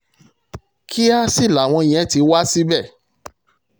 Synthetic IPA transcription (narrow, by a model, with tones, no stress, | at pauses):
kʰi˦a˦si˦˨la˨w̃ɔ̃˧i˨j̃ɛ̃˨˦ti˨˧˦wa˦si˦bɛ˦˨